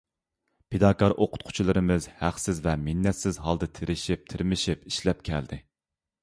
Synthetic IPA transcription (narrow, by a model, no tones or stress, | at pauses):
pʰed̪ɑːkɑɾʔoqʰʊ̥t̪̚qʰʊ̥t͡ʃʰilˠɨɾɨmɪzhæχsɪzvɛminːɛt̪sɪzɦɑlˠd̪ɨt̪ʰeɾɪʃip̚t̪ʰɪɾmɪʃipi̥ʃlɛp̚kʲʰɛld̪ɪ